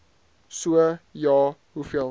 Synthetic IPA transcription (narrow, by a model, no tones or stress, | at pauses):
suəjɑːɦufiəl